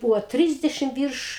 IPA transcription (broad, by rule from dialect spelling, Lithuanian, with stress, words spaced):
ˈbuːʋoː ˈtʲrʲɪzʲdʲɛʃʲɪm ˈʋʲiːrʃ